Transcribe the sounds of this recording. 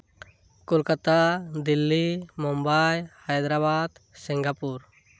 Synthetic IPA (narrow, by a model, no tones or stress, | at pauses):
kulkat̪ad̪ilːimumbajhajd̪ɾaβad̪siŋɡapuɾ